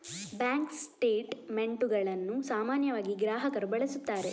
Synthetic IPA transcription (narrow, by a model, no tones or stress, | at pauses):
baːŋksʈeːʈmeɳʈuɡɐɭɐnːusaːmaːnjɐʋaːɡiɡɾaːɦɐkɐɾubɐɭisut̪ːaːɾe̞